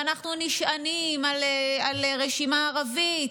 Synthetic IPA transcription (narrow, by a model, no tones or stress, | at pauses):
anaχnuniʃʔanimalealʁeʃimaːʁavit